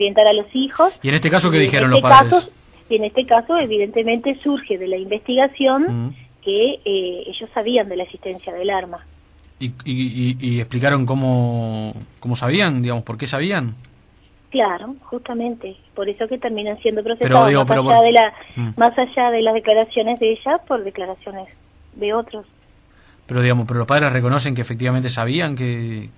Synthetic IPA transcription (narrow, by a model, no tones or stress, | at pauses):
oɾje̞nt̪aɾalo̞sixo̞sienest̪ekasokeðixeɾonloepakaɾeso | ienest̪ekaso̞eβiðe̞nt̪emẽ̞nt̪e̞suɾxe̞ðe̞laimbe̞st̪iɣasjo̞nkeeeʒo̞sːaβiand̪elaeksi̥st̪e̞nsjaðelaɾma | iiiehplik̬aɾo̞ŋk̬omo | komosaβiand̪iɣamo̞spo̞ɾkesaβian | klaɾoxust̪amẽ̞nt̪e | po̞ɾeso̞ket̪eɾmĩnansjend̪o̞pɾosepesɾoaðiaopeaɾoaðelamasaʒaðelazðeklaɾasjo̞nezðeeʒapo̞ɾðe̞klaɾasjo̞nes | ðeo̞t̪ɾo̞s | peɾoðiɣamopeɾolohpaðɾesrek̬o̞no̞s̬e̞ŋk̬eːfek̚t̪iβament̪̬esaβiaŋke